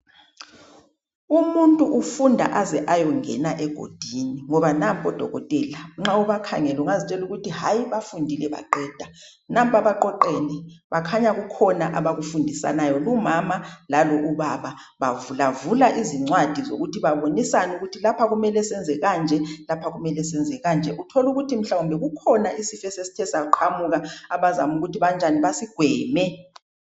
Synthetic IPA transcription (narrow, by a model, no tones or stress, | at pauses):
umuntʼuʔufundʱa̰ʔazɛʔajɔŋɛnaʔɛɡ̥ʱo̰d̥ʱiniŋɔβanampʼɔd̥ʱɔɣɔ̰tʼɛlaŋ͡ǁauβakʰaŋɛluŋazit͡ʃʼɛluɣutʰiɦajiβafundʱilɛβa̰ǃɛːd̥ʱa | nampʼaβaǃɔǃeːniβakʰaɲaɣukʰɔnaʔaβaɣufundʱisa̰najɔlumamalalɔʔuβaβa | βavulavulaʔiziŋ͡ǀwad̥ʱizo̰ɣutiβaβonisanuɣutʰilapʰaɣumɛlɛsɛnd͡zʱɛɣand͡ʒʱɛlapʰaɣumɛlɛsɛnd͡zʱɛɣand͡ʒʱɛʔutʰoluɣutʰim̩ɬawumbʱɛɣukʰɔnaʔisifɛsesi̥tʰɛsauǃʰamuɣaaβazamuɣutʰiβand͡ʒʱaniβasiɡ̥ʱwɛːmɛ